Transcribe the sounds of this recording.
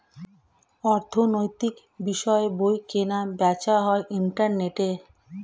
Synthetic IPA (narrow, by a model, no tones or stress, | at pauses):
ɔɾt̪ʰonojt̪ik | biʃɔebojkenabɛt͡ɕaɦɔeʔiɳʈaɾneʈe